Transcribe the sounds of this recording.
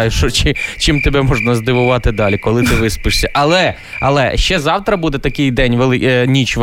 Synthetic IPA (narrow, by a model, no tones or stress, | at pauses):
jʊʃɔt͡ʃɪt͡ʃimt̪ebɛmɔʒnɐzd̪ɪʋʊʋɑt̪ɪd̪ɑlʲikɔlˠɪt̪ɪʋɪspɪʂsʲɐʔɐlˠɛ | ɐlˠɛ̰ʃt͡ʃɛzɑwt̪ɾɐbud̪ɛt̪ɐkɪjd̪ɛnʲʋelˠɪnʲit͡ʃʋ